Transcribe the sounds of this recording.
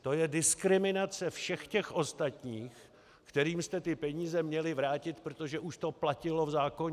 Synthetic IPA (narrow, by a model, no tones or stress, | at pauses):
t̪o̞jɛdɪskɾɪmɪnat͡sɛfʃɛxcɛxʔo̞st̪at̪ɲiːx | kt̪ɛɾiːmst̪ɛt̪ɪpɛɲiːzɛmɲɛlɪvɾaːcɪt̪pɾot̪oʒɛʔuʃt̪o̞placɪlo̞vzaːkoɲ